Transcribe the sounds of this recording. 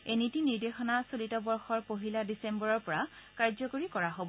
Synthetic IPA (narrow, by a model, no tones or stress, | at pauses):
enitiniɹdexɔnasolitɔbɔɹxɔɹpoɦiladisembɔɹɔɹpɔɹakaɹzɔkoɹikɔɹaɦobɔ